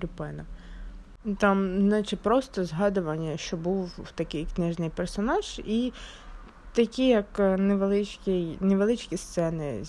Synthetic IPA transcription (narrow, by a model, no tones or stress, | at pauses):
ɾʲʊpɛnɐ | t̪ɑmnɑt͡ʃɪpɾɔst̪ɔzɦɑd̪ʊʋɐnʲːɐʃt͡ʃɔbuwt̪ɐkɪjknɪʒnɪjpersɔnɑʒ̥i | t̪ɐkʲijɐkneʋelˠɪt͡ʃkʲijneʋelˠɪt͡ʃkʲist̪sɛnɪ̰